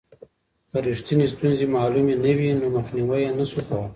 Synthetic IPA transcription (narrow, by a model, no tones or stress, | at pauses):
kaɾiʂt̪inist̪unzimɑːlumenɐwinomaxniwajanasuxa